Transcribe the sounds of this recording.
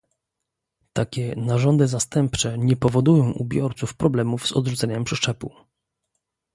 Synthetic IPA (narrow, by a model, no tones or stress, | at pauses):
t̪akʲɛnaʐɔnd̪ɘzast̪ɛmpt͡ʂɛɲɛpɔvɔd̪ujɔ̃w̃ʔṵbʲjɔɾt̪sufpɾɔblɛmuvz̥ɔ̰d̪ʐut̪sɛɲɛmpʂɛʂt͡ʂɛpṵ